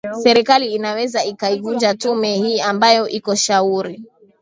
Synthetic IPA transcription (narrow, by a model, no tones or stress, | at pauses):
sɛɾikaliːnawɛzaikaivund͡ʒatumɛhiːambajɔʔikɔʃauɾi